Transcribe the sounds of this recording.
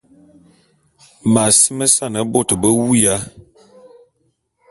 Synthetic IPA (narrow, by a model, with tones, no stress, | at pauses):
ma˨si˦mə˦sa˦˨nə˨˦bo˦˨tə˨bə˦wu˦ja˦